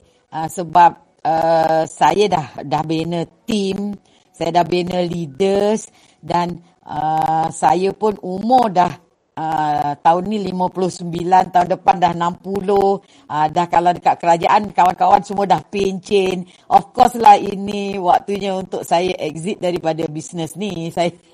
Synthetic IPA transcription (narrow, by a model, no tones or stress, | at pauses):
ʔəsəbap̚ | əsajədahdahbenət̪im | sajədahbenəlidəs | dan | ʔə̰sajəpʊnumʊrdah | ʔət̪aʊnːilimə̃pulʊhsəmbilant̪aundəpandahnampuloh | ʔədahkaladəkat̪̚kəɾad͡ʒaʔankawankawansəmuədahpeɲt͡ʃɛn | ʔɔfkɔslahḭniwak̚t̪uɲəunt̪ʊʔsajəʔɛk̚zit̪̚daɾipadabisnəsnisajə